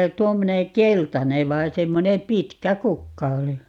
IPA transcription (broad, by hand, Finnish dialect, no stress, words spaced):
tuomːone keltɑne ʋɑi semːonem pitkæ kukːɑ oli